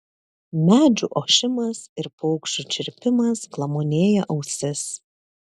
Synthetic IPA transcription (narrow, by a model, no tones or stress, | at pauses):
mʲæːd͡ʒʲuːʔoːʃʲɪmɐsɪɾpɔʊkʃt͡ʃʲut͡ʃʲɪɾʲpʲɪmɐsklˠɐmoːnʲeːjɛʔɒʊsʲɪs